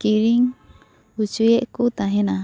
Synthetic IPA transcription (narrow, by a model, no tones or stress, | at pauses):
kiɾiŋ | ut͡ʃueʔkut̪aɦena